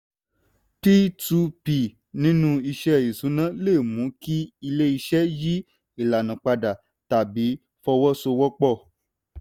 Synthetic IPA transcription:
ti˦tu˧pi˨ | nĩ˦nũ˦i˧ʃɛ˦˨i˨sũ˨˦nã˦le˦˨mũ˨˦ki˦i˧le˦i˧ʃɛ˦ji˦ | i˨la˨nũ˨k͡pa˧da˨ | ta˨bi˨˦ | fɔ˧wɔ˦so˧wɔ˦k͡pɔ˦˨

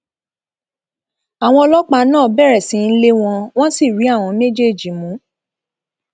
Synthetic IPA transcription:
a˨w̃ɔ̃˧ɔ˧lɔ˦k͡pa˧˦nãː˦˨bɛ˦˨ɾɛ˨sĩ˨˦n̩˦le˦w̃ɔ̃˧w̃ɔ̃˦si˦˨ɾi˨˦a˦˨w̃ɔ̃˧me˦d͡ʒe˦˨d͡ʒi˨˦mũ˨˦

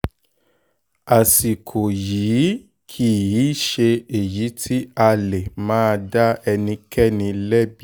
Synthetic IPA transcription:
a˨si˨kʰo˨jiː˨˦ | kʰi˦˨ji˨˦ʃe˧e˨ji˨˦tʰi˦a˧le˨mãː˦˧da˦ɛ˧nĩ˧kɛ˦˨nĩ˧lɛ˦bi˦

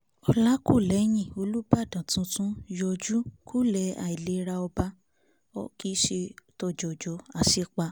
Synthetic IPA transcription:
ɔ˧la˦ko˦˨lɛ˨˦j̃ĩ˦˨o˧lu˦ba˦˨dã˨tũ˧˦tũ˦jɔ˧d͡ʒu˦kʰu˦lɛ˧˦a̰˨i˨le˨˧˦ɾa˧ɔ˧ba˧˦ | ɔ˧˦ki˦ʃe˧tɔ˧˨d͡ʒɔ˨d͡ʒɔ˨˦a˨si˦k͡pa˧

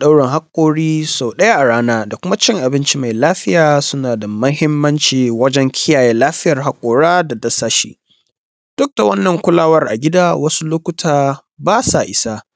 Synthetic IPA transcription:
ɗa˦wɽɪ˨ŋɦa˦kʷʼːoː˦ɽiː˦so˨wɗɐ˦ja˦ʔa˨ɽaː˦naː˦da˨kʷʊ˦ma˦t͡ʃɪ˦ŋʔa˨bɪ˦nt͡ʃi˦ma˨jlaː˦ɸɪ˦jaː˨sʊ˦naː˨da˨mɐ˦ɦɪ˦mːɐ˦nt͡ʃiː˨wɐ˦d͡ʒɛ˦ŋkʲʰɪ˦jaː˨jɛ˦laː˦ɸɪ˦jɐ˨rɦa˦kʷʼːoː˨ɽaː˦da˨dɐ˦saː˦ʃḭː˦ | d̥ʊ˦k̚da˨wɐ˦nːɐ˨ŋkʷʊ˦laː˦wɐ˦rʔa̰˨ɡʲɪ˦daː˦wɐ˦su˦lʊ˦kʷʊ˦tʰaː˨ | baː˦sa˨ʔɪ˦sa˦

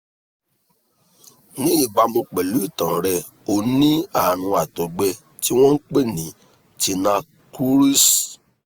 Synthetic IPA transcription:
nĩ˦i˦˨ba˧˦mõ˧k͡pɛ˨lu˨˦i˦˨tã˨ɾɛ˧ | o˨nĩ˦a˦˨ɾ̃ũ˧a˨tɔ˨ɡ͡bɛ˧ | ti˦w̃ɔ̃˦ŋ̩˦k͡pe˦˨nĩ˨˦ | ti˧nã˧ | ku˦ɾi˦s

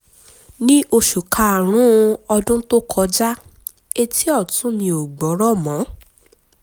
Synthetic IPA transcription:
nĩ˦ʔo˧ʃu˨kʰa˧˨ɾ̃ũ˦˧ɔ˧dũ˦to˦kʰɔ˧d͡ʒa˦ | e˧tʰi˦ɔ˦˨tũ˨˦nĩ˧o˨ɡ͡bɔ˨˦ɾɔ˦˨mɔ̃˨˦

